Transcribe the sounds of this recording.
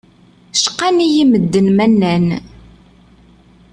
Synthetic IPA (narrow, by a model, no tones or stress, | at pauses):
ʃə̥qːanijiməd̪ːənmænːæn